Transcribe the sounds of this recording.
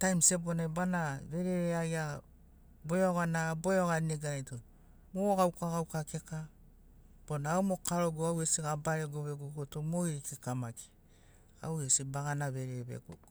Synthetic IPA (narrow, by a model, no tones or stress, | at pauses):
tajmsebonabanaβe̞ɾeeaja | bojoɡanabojoɡaneɡaato | moɡawkaɡawkakeka | b̥onaːomokaɾoɡoawesiɡabaɾeɡoβeɡuɡotomoiɾikikamaki̥ | a̰wesibaɡanaβeɾeβḛɡṵ